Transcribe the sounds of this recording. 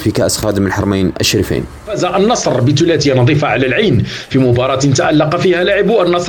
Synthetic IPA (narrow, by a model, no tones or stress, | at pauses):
fikæʔsxɑd̪mənəlħɑɾˤmajnʔə̰ʃɾəfa̰n | fæzæʔənːɑsˤɾbət̪ʊlæt̪ɪjanɑd̪ˤiːfaʕalælʕajnfimʊbɑɾˤɑt̪t̪aʔalːɑqɑfihælaʕəbwanːɑsˤ